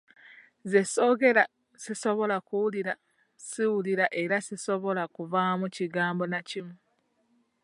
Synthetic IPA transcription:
zeso̞ɡe̞ɾa | siso̞βo̞lakuwuliɾa | siwuliɾaʔe̞ɾasiso̞βo̞lakuvamuciɡaːmbo̞nacimu

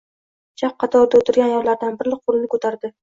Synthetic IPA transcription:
t͡ʃʰaq̚qʰːɑt̪ʰɒɾd̪aot̪ʰɪɾɡʲanjɒɾlaɾd̪anbɪɾlɪq̚qolˠɪnɪkʰot̪ʰaɾd̪ɪ

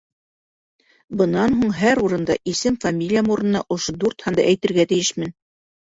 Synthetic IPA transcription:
bɤ̆nɑnɦuɴɦæɾuɾɤ̆nd̪ɑ̰ʔisɘmfɐmʲilʲijamuɾɤ̆nɤnɑʔŏʃod̪uɾt̪hɑnd̪ɑʔæjt̪ɘ̆ɾɡæt̪ɘ̆jɘʃmɘn

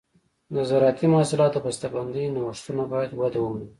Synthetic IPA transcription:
nazɑɾɑt̪imahsɪlɑt̪bast̪aband̪əjnawʂt̪unabɑjad̪wad̪awəwi

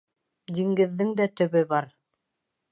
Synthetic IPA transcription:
d̪iŋɡɘ̆ðːɘŋd̪æt̪ɵ̆βɘbɑɾ

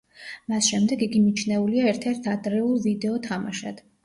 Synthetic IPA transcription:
masʃɛmd̪ɛɡiɡimit͡ʃʰnɛuliaɛɾt̪ʰɛɾt̪ʰad̪ɾɛulˠvid̪ɛɔt̪ʰamaʃa̰d̪̥

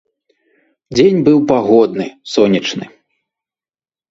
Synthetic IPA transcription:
d͡zʲenʲbɨwpaɣɔd̪̚nɨsɔnʲit͡ʂnɨ

